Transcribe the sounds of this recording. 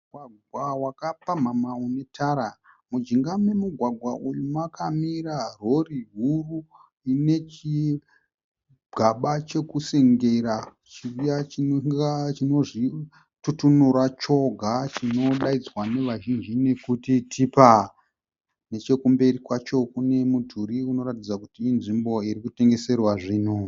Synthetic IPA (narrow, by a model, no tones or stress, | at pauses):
ɡʱwaɡʱwawakapam̤amaune̞tʰaɾa | mud͡ʒiŋɡamemuɡʱwaɡʱwaʔujumwakamiraro̞riɦuru | ine̞t͡ʃi | ɡʱaɓat͡ʃe̞kuse̞ŋɡe̞ra | t͡ʃirijat͡ʃit͡ʃino̞ʐi | tutunuɾat͡ʃo̞ɡʱat͡ʃino̞ɗaid͡zwane̞ʋaʒind͡ʒine̞kutitʰipa | ne̞t͡ʃe̞kumbe̞rikwat͡ʃo̞kune̞mudʱuɾiuno̞ratid͡zakutiinʐimbo̞irikute̞ŋɡe̞se̞rwaʐiːno